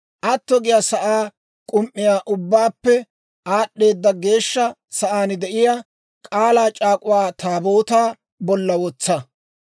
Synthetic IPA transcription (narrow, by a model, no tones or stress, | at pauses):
ʔɐt̪ːɔɡɪjɐsɐʔaː | kʼʊmʔːɪjaːʔʊbːaːpːɛ | aːɗːe̞ːd̪ːɐɡe̞ːʃːɐ | sɐʔaːnɪd̪ɛʔɪja | kʼaːlaːt͡ʃʼaːkʼʊwaːt̪aːbo̞ːt̪aː | bɔlːɐwɔt͡sːɐ